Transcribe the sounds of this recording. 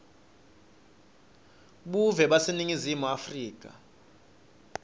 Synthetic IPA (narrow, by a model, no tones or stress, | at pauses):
ɓuvɛɓaseniŋizimuafriːk̬ʼa̰